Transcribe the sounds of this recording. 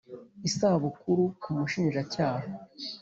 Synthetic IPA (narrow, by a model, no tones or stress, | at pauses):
isaβukuɾukumuʃiːnʒacaːha